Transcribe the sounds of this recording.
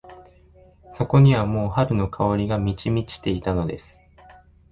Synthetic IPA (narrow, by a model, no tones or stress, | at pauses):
so̞ko̞ɲ̟iβamo̞ːhaɾɯ̟no̞kʰaoɾʲiɡamʲit͡ɕimʲit͡ɕi̥t̪e̞it̪ano̞d̪e̞sɨ̥